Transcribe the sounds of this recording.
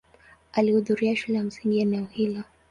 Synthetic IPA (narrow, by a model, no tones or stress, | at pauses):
alihuðuɾiaʃulɛam̩siŋɡianauhila